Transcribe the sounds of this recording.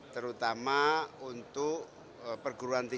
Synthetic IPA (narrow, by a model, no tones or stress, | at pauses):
t̪əɾut̪amaunt̪ʊʔ | pərɡuɾuant̪i